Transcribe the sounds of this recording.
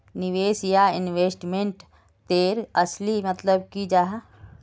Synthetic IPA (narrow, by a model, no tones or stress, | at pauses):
nɪʋeːsjaɪnweːsʈmẽɳʈ | t̪eːɾəslimət̪ləb̚kid͡ʒaːɦ